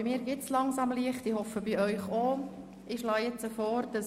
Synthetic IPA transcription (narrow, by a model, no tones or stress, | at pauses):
miːɾɡɪtslɑŋsɑmliəχtɪhɔfəb̥iœʏχo | ɪʃlɑːjɛt͡səfɔːɾd̥ɑs